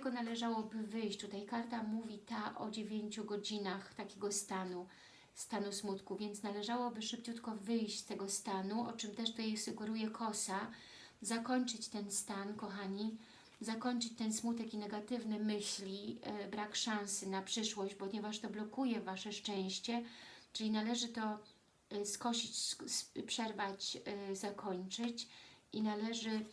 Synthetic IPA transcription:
t̪ɛɡɔnalɛʐawɔbɘvɘjɕt͡ɕt̪ut̪ajkaɾt̪amuvʲit̪aʔɔ̰d͡ʑevʲjeɲt͡ɕuɡɔd͡ʑinaxt̪akʲeɡɔst̪anu | st̪anusmut̪kuvʲjɛnt̪snalɛʐawɔbɘʂɘp̚t͡ɕut̪kɔvɘjɕt͡ɕst̪ɛɡɔst̪anuʔɔt͡ʂɘmt̪ɛʂt̪ut̪ajsuɡɛɾujɛkʰɔsa | zakɔɲt͡ʂɘt͡ɕt̪ɛnst̪ankɔxaɲi | zakɔɲt͡ʂɘt͡ɕt̪ɛnsmut̪ɛkinɛɡat̪ɘvnɛmɘɕlʲibɾakʂãñsɘnapʂɘʂwɔʑd͡ʑbɔɲɛvaʂt̪ɔblɔkujɛvaʂɛʂt͡ʂɛ̃w̃ɕt͡ɕɛt͡ʂɘlʲinalɛʐɘt̪ɔ | skɔɕit͡ɕsspʂɛɾvat͡ɕzakʰɔɲt͡ʂɘt͡ɕinalɛʐɘ

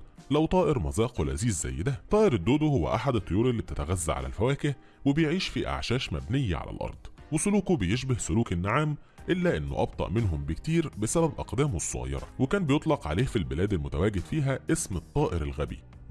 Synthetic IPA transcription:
læwt̪ˤɑːʔeɾmɑzɑːqwelʔæ̰ziːzːæ̰jːed̪æt̪ˤɑːʔeɾed̪ːoːd̪ohowːæ̰ʔaħad̪et̪ˤːojuːɾelːiːb̚t̪et̪æɣæzːæ̰ʕa̰læ̰lfæwæːkeh | webejʕiːʃfiʔa̰ʕʃæːʃmæ̰bnejːæ̰ʕa̰læ̰lʔɑ̰ɾˤd̪̥ˤ | wesʊluːkobejeʃ̬bæhsʊluːkenːaʕaːm | ʔelːæʔenːo̰ʔɑb̚t̪ˤɑ̰ʔmenɦʊmbekt̪iːɾbesæbæbʔɑqd̪æːmesˤːo̰ɣɑ̰jːɑ̰ɾˤɑ̰wekæːnbejot̪ˤlɑqʕa̰leːfilbelæːd̪ælmʊt̪æwæːɡed̪fiːɦæʔesmɨt̪ˤːɑːʔeɾelɣæbḭ

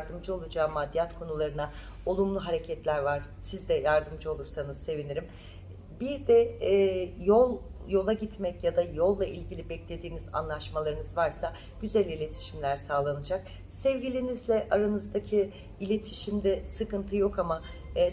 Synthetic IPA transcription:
ɾd̪ɯmd͡ʒɯo̞lˠud͡ʒaːmad̪ːijat̪kʰo̞nulˠaɾɯna | o̞lˠumlˠuɦaɾe̞cʰɛt̪lʲæɾvaɾ̥sizd̪ɛjaɾd̪ɯmd͡ʒɯo̞lˠuɾsanɯzse̞viniɾim | biɾd̪ɛ | jolˠjo̞lˠaɟit̪mɛcjad̪ajo̞lˠːaʔilʲɟilʲibɛclʲe̞d̪iːniza̰nlˠaʃmalˠaɾɯnɯzvaɾsa | ɟ̥yzɛlʲilʲe̞t̪ʰi̥ʃimlʲæɾsaːlˠanɯd͡ʒak̚ | sɛvɟilʲinizlʲɛʔaɾanɯzd̪acʰi | ilʲe̞t̪ʰiʃimd̪ɛsɯkɯnt̪ʰɯjo̞kama

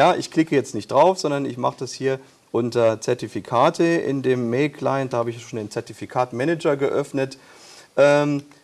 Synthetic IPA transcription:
jaːʔɪçkl̥ɪkəjɛt͡stnɪçt̚d̥ʁaʊfz̥ɔndɐnɪçma̰χəd̥ashiːɐ | ʔʊntɐt͡sɛɐtifikʰaːtʰəʔɪ̰ndeːmːelkʰlaɪndaːhaːbəɪçjaʃoːndeːnt͡sɛɐtifikʰaːtmɛnɛd͡ʒɐɡəʔœfnət | ʔɛːm

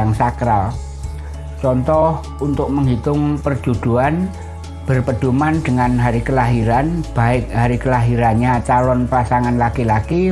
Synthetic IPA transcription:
aŋsakɾal | t͡ʃɔnt̪ɔh | unt̪ʊk̚məŋɦit̪ʊŋpərd͡ʒ̥ud̪̥uan | b̥ərpəd̪̥ṳmand̪̥əŋanɦaɾikəlaɦiɾanb̥aɪk̚ɦaɾikəlaɦiɾanɲat͡ʃalɔnpasaŋanlakilaki

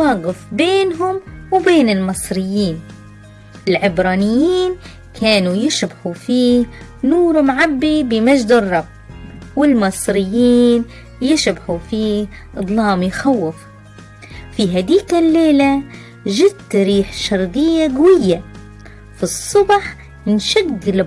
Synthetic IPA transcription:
waːɡɪfbeːnɦʊmwbeːnɪlmɨsˤɾɪjːiːn | ʔɪlʕɪbɾˤɑːnɪjːiːn | kʰaːnujɪʃbħufiː | nuːɾmʕabːibɪmad͡ʒd̪ɨrˤːɑbːwɪlmɨsˤɾɪjːiːn | jɪʃbħufiːʔɨd̪ˤlɑːmjxawːɪf | fiɦad̪iːkalːeːla | ʒɪd̪t̪ɾiːħʃɑɾˤd̪ˤɪjːaɡawɪjːa | fisˤːʊbħ | nʃaɡːɪl

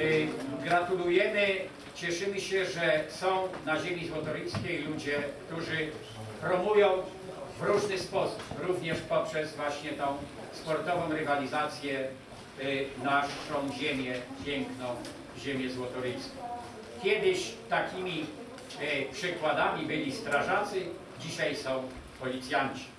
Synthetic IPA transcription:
ɡɾat̪ulujɛmɘ | t͡ɕɛʂɘmɘɕɛʐɛsɔ̃w̃naʑemʲizwɔt̪ɔɾʲijskʲejlud͡ʑɛkt̪uʐɘ | pɾɔmujɔ̃w̃ | vɾuʐnɘspɔsu̥pɾuvɲɛʂpɔpʂɛzvwaɕɲɛt̪ɔ̃w̃ | spɔɾt̪ɔvɔ̃w̃ɾɘvalʲizat̪sʲjɛ | naʂɔ̃w̃ʑemʲjɛpʲjɛŋknɔ̃w̃ | ʑemʲjɛzwɔt̪ɔɾijskʲɔ̃ | kʲjɛd̪ɪɕt̪akʲimʲi | pʂɘkwad̪amʲibɘlʲist̪ɾaʐat̪sɘ | d͡ʑiɕajsɔ̃w̃ | pɔlʲit̪sʲjaɲt͡ɕi̥

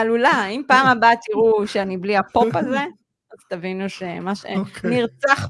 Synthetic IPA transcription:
alulaimpaːmabat̪iʁuʃeanibliapo̞paze̞ | azt̪avinuʃemaʃḛniʁt͡saχ

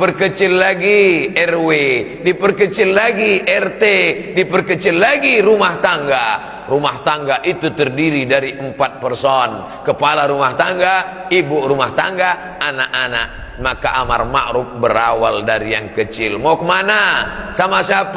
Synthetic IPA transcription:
pərkət͡ʃɪlːaɡiɛrwe | dipərkət͡ʃɪlːaɡiʔɛrt̪edipərkət͡ʃɪlːaɡiɾumaht̪aŋɡa | ɾumaht̪aŋɡaʔit̪ut̪ərdiɾidaɾiʔəmpat̪̚pərsɔn | kəpalaɾumaht̪aŋɡa | ibuʔrumaht̪aŋɡa | anaʔana̰ʔ | makaʔama̰rma̰ʔɾup̚bəɾawaldaɾijaŋkət͡ʃɪlmakəmanasamasiap

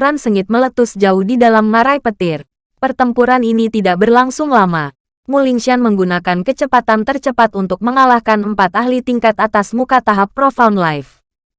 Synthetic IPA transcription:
ɾansəŋɪt̪̚mələt̪ʊsd͡ʒaʊhdidalamnaɾajpət̪ɪr | pərt̪əmpuɾaninit̪idaʔbərlaŋsʊŋlama | muliŋʃianməŋɡunakankət͡ʃəpat̪ant̪ərt͡ʃəpat̪unt̪ʊk̚məŋalahkanəmpat̪aɦlit̪iŋkat̪at̪asmukat̪aɦapːɾofaunlajf

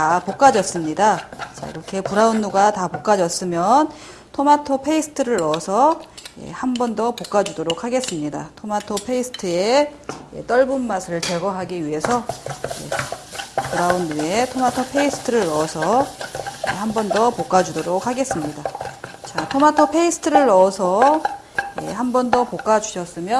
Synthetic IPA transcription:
tapok͈ad͡ʑʌs͈ɯmɲidat͡ɕa̰ḭɾʌkʰe̞puɾaunːuɡatapok͈ad͡ʑʌs͈ɯmjʌn | tʰomatʰopʰe̞isʰɯ̥tʰɯɾɯɭʌsʰʌje̞̰hambʌndʌpok͈ad͡ʑudoɾok̚haɡe̞s͈ɯmɲida̰tʰomatʰopʰe̞isʰɯ̥tʰɯe̞je̞̰t͈ʌɭbunmasʰɯɾɯɭt͡ɕeɡʌɦaɡiɥiɦe̞sʰʌje̞̰ | kuɾaunːɯetʰomatʰopʰe̞isʰɯ̥tʰɯɾɯɭːʌsʰʌ | jḛhambʌndʌpok͈ad͡ʑudoɾok̚ʰhaɡe̞s͈ɯmɲidat͡ɕatʰomatʰopʰe̞isʰɯ̥tʰɯɾɯɭːʌsʰʌ | je̞̰hambʌndʌpok͈ad͡ʑuɕʰʌs͈ɯmjʌ

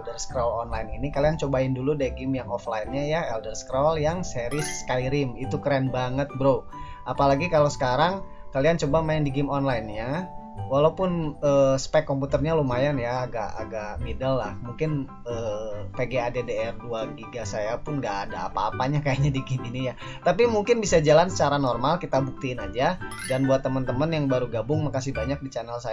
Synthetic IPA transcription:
dərskɾalɔnlajininikaliant͡ʃobaɪnduludaiɡɪmjaŋɔflainɲajaɛldərskɾaljaŋseɾɪskajɾɪmit̪ukɾɛnbaŋət̪̚bɾo | ʔapalaɡikalosə̥kaɾaŋ | kaliant͡ʃobamajandiɡɪmɔnlainɲa | walaupʊnəːspɛkːɔmput̪ərɲalumajanjaːɡaʔa̰ɡaʔmidalːahmuŋkɪn | əːpeɡeadedeɛrduaɡiɡasajapʊnɡaʔːdaa̰paːpaɲakajaɲadiɡiminija | t̪apimuŋkɪnbisad͡ʒalansə̥t͡ʃaɾanɔrmalkit̪abuk̚t̪iːnad͡ʒa | danbuat̪ːəmənt̪əmənjaŋbaɾuɡabʊŋmakasihbaɲak̚dit͡ʃanəlsaj

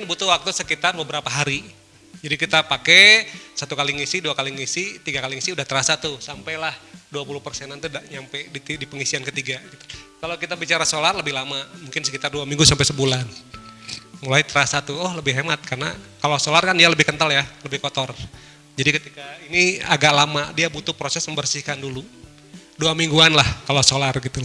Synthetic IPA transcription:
nbut̪uwak̚t̪usəkit̪arbəbəɾapaɦaɾi | d͡ʒadikit̪apakesat̪ukaliŋisiduakaliŋisit̪iɡakaliŋisiudaht̪əɾasat̪usampajlahduapulupərsɛnant̪udaʔɲampɛjdit̪idipəŋisiankət̪iɡaɡit̪u̥kalokit̪abit͡ʃaɾasolarləbɪhlamamuŋkɪnsəkit̪arduamiŋɡusampjsəbulan | mulajt̪əɾasat̪uɔhləbɪhɦemat̪̚karna̰kalosolarkandialəbɪhkənt̪aljaləbɪhkot̪ɔr | d͡ʒadikət̪ikainia̰ɡaʔlamadiabut̪ʊpɾosɛsməmbərsihkandulu | duamiŋɡuanlahkalosolarɡit̪u

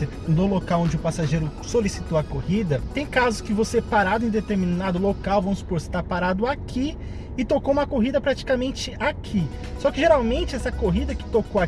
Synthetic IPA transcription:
ɪ | d̪ʊlokawõd͡ʒɪʊpasaʒejɾʊsolisi̥t̪owɐkohid̪ɐt̪ẽj̃kazʊskɪvosepaɾad̪ʊẽd̪et̪eɾminnad̪ʊlokawvɐ̃mʊspoɾse̥t̪apaɾad̪ʊakʰi | ɪt̪okoũmɐkoɦid̪ɐpɾat͡ʃi̥kamẽnt͡ʃɪakʰi | sɔkɪʒeɾawmẽnt͡ʃɪɛsɐkoɦid̪ɐkɪ̥t̪okoa

